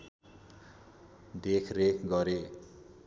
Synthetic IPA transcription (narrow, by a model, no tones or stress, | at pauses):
dekʰrekʰɡʌɾe